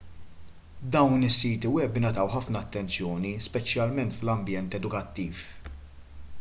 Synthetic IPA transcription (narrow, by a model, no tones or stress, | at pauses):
d̪ɐwnɪsːiːt̪iwɛbɪnɐt̪ɐwħɐfnɐːt̪ːɛnt͡sjɔːnispɛt͡ʃjɐlmɛnt̪flɐmbjɛnt̪ɛd̪ʊkɐt̪ːiːf